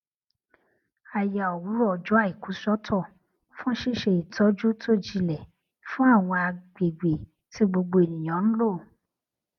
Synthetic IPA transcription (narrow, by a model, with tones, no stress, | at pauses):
a˨ja˨ɔ˨wu˨˦ɾɔ˦˨d͡ʒu˨˦a˦˨i˨kũ˨˦sɔ˦tʰɔ˦˨ | fũ˦ʃi˦˨ʃe˧i˨tʰɔ˨˦d͡ʒu˦tʰo˦˨d͡ʒi˧lɛ˨ | fũ˦a˦˨w̃ɔ̃˧a˧ɡ͡be˨ɡ͡be˨ | ti˦ɡ͡bo˧ɡ͡bo˧e˨nĩ˨j̃ã˨˦ñ̩˦lo˦˨